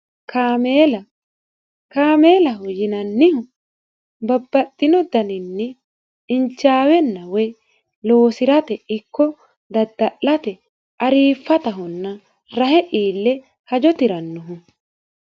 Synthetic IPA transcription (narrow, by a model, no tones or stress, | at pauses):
kameːlɐ | kaːme̞ːlɐɦʊjɪnɐnːɪhʊ | bɐbːɐt̪ʼːɪnɔd̪ɐnɪnːɪ | ɪnt͡ʃːaːwɛnːɐwɛj | loːsɪɾɐt̪ɛɪkːɔ | d̪ɐd̪ːɐʔːɐt̪ɛ | ʔɐɾiːfːɐt̪ɐɦʊnːɐ | ɾɐɦɛʔiːlːɛ | hɐd͡ʒɔt̪ɪɾɐnːʊɦʊ